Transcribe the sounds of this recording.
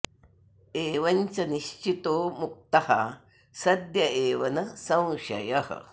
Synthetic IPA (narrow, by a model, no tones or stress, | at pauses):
eːʋɐnt͡sɐniɕt͡ɕit̪oːmuk̚t̪ɐha | sɐd̪jɐeːʋɐnɐsɐ̃w̃ɕɐ̰jɐhə̰